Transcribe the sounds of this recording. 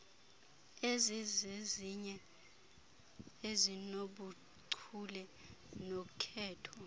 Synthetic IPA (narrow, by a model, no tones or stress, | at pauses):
ezizeziɲɛ | ezinoɓu | ǀʰulɛnokʰɛːtʰɔ